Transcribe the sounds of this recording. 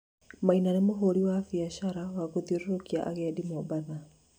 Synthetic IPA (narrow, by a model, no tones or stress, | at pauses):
mainanemoɦoɾiwafiaʃaɾawaɣoðioɾoɾokia̰ʔaɣɛdimobaða